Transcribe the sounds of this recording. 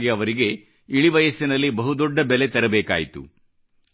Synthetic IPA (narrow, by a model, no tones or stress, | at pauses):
ɡiɐʋɐɾiɡe̞ | iɭiʋɐjɐsinɐlːibɐɦud̪ɔɖːɐbɛle̞t̪ɐɾɐbeːka̰ːjit̪ṵ